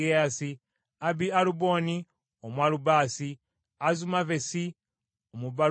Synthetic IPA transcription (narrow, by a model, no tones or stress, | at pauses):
easi | abialubo̞ni | omwalubaːsi | azumavesi | omuβa